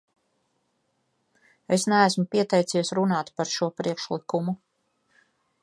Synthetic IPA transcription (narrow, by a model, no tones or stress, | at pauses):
esnæːsmupiɛt̪ɛjt̪siɛsɾunaːt̪paɾʃuɔpɾikʃlˠikumu